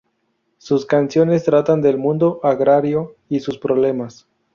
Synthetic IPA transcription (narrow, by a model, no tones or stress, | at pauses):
suskansjo̞ne̞st̪ɾat̪and̪e̞lmũnd̪o̞ʔaɣɾaɾjo̞isuspɾoβle̞mas